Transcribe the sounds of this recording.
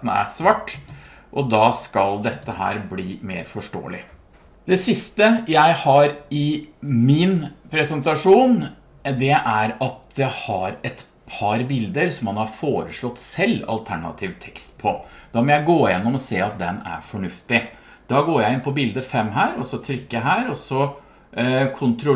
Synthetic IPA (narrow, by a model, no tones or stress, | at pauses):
n̩æ̰sʋɑʈː | ʔɔd̪ɑːskɑld̪ɛt̪ːəhæ̰ːɾbliːmḛːɾfɔʂʈo̰ːə̰lɪ | d̪ɛsɪst̪əjæɪhɑɾɪmɪnpʰɾɛsənt̪ɑʂuːn | d̪ɛʔæɾɑt̪jæɪhɑɾɛt̪ | pʰɑɾbɪld̪əɾsɔmhɑnhɑɾfoːɾəʂɭɔt̪ːsɛlːɑ̰lt̪ʰæɳɑ̰t̪ʰiːʋt̪ʰɛ̥kst̪pʰɔd̪̥ɑmɔjæɪɡoːjɛnːɔmɔseːɑt̪̚d̪ɛnæ̰ɾfɔɳʉft̪ɪ | d̪̥ɑːɡoːɾjæɪɪnpʰɔbɪld̪əfɛmːɦæːɾɔsɔt̪ʰɾʏkːəɦæːɾɔsɔ | kʰʊnt̪ʰɾʊ